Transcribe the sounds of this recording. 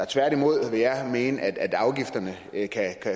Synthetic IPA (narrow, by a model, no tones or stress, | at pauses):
ɑ̈t͡sʰʋæɐd̥imo̝ð̞̰ˠʋe̝jɑ̈ɪme̝ːnəʔæd̥æd̥ɑ̈ʊɡ̥ifd̥ɐnə | kʰækʰæ